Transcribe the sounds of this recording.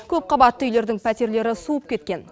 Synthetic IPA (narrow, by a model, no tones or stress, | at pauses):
kʲʰɵp̚qʰɑbɑt̪ːəʏjle̞ɾd̪ɪŋpʰæt̪e̞ɾle̞ɾɪsuəp̚kʲe̞t̪kʲe̞n